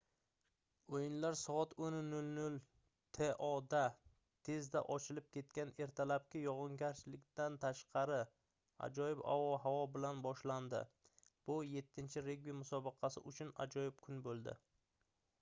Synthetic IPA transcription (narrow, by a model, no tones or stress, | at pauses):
ojɪnlaɾsɒɒt̪ʰonnʊlnʊl | t̪ʰe̞ʔɒd̪a | t̪ʰe̞zd̪a̰ʔɒt͡ʃʰɪlɪp̚kʲʰe̞t̪̚kʲane̞ɾt̪ʰalap̚kʲɪjɒʁɨŋɡʲaɾt͡ʃlɪkʲt̪ant̪ʰaʃqʰɑɾɪ | a̰d͡ʒɒjɪpa̰vɒɦavɒbɪlanbɒʃland̪ɪ̰b̥ʊje̞t̪ʰːɪnt͡ʃʰɪɾeɡbimʊsɒbɨqʰɑsɪ̰ʔʊt͡ʃʰʊna̰d͡ʒɒjɪp̚kʰʊnbolˠd̪ɪ̰